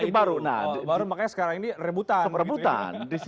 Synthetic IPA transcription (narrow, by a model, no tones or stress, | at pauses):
ɪbaɾuna̰hbaɾumakaɲasə̥kaɾaŋinirəbut̪aɔprəbut̪a̰ndis